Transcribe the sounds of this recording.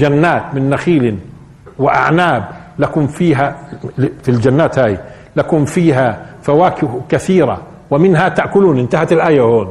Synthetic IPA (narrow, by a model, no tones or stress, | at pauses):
d͡ʒanːaːt̪mɪnːaxiːlɪ | wɪʔa̰ʕnaːblakuːnfiːɦa | fild͡ʒanːaːt̪haːj | lakuːnfiːɦafawaːkɪhkaθiːɾˤa̰ | wɪmɪnɦat̪aʔkʊluːnʔɪnt̪ahat̪ɪlʔaːjahoːn